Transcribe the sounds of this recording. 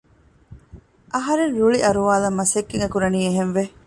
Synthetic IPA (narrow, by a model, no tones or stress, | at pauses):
ʔɐɦɐɾenɾuɭiʔɐɾuʋaːlɐmːɐsekːiŋɡɐkuɾɐniːeɦenʋe